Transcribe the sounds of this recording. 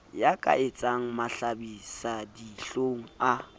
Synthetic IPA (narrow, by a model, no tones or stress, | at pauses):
jakʼa̰ʔet͡sʼaŋ̩maɬabisadiɬoŋ̩a